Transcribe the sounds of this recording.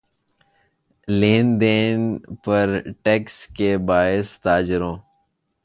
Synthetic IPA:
leːnd̪eːnpɐɾʈekskebaːɪst̪aːd͡ʒɪɾõː

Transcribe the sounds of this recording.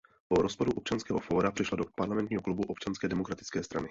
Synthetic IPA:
poɾospoduʔop̚t͡ʃanskɛːɦofoːɾapr̝̥ɪʃladopaɾlamɛnt̪ɲiːɦoklubuʔop̚t͡ʃanskɛːdɛmokɾat̪ɪ̥t͡skɛːst̪ɾanɪ

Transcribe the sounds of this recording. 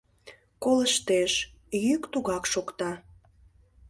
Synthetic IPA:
koləʃt̪eʃ | jykt̪uɣɑkʃokt̪ɑ

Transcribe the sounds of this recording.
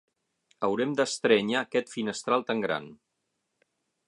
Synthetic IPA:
əwɾɛmd̪əst̪ɾɛɲaːkɛt̪finəst̪ɾalˠt̪aŋɡɾa̰n

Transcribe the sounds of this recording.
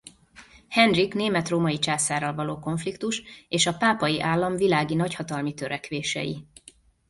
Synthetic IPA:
hɛnrikneːmɛt̪roːmɒjit͡ʃaːsaːɾɒlvɒloːko̞ɱflikt̪uʃeːʃɒpaːpɒjiʔaːlːɒmvilaːɡinɒchɒt̪ɒlmit̪øɾɛkʋeːʃɛ̰jḭ

